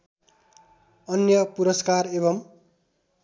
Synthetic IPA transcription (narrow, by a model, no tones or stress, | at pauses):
ʌnjʌpuɾʌskareβʌm